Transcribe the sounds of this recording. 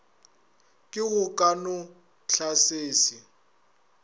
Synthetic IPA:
kʼɪɣʊkʼanʊ | ɬʰaseːsi

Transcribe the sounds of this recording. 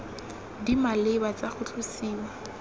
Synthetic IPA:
dimalebat͡saχʊt͡ɬʰʊsiːwa

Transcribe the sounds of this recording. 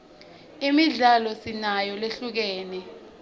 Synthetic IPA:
imiɮalɔsinajɔleɬuk̬ɛːnɛ

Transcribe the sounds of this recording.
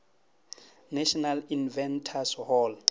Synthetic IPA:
naʃɔnalinvɛntʰashɔl

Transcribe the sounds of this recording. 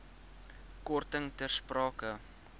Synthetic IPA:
kɔrtəŋtərsprɑːkə

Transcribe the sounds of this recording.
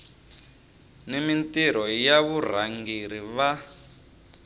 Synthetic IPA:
nimintiɾɔjaβur̤aŋɡiɾiβa

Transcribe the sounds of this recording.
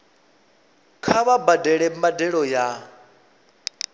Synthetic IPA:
kʰaβabadɛɺɛmadɛɺɔja

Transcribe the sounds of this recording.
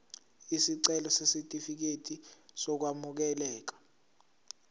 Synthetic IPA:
isiǀɛlɔsesitʼifik̬etʼisɔk̬wamuk̬ɛlɛːk̬ḁ

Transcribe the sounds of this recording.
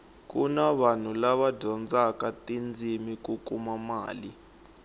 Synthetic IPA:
k̬ʼunaβan̤ulaβadʱɔnd͡zakatʼind͡zʱimik̬ʼukʼumama̰ːli

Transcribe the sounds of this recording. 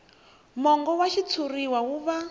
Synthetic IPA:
mɔŋɡɔwaʃit͡sʰuriwawuβa

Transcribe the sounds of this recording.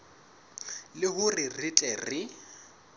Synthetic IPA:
lɪɦʊrɪritʼɛrɪ

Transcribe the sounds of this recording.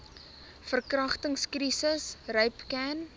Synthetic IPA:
fərkrɐχtəŋskrisəsrœɥpkæn

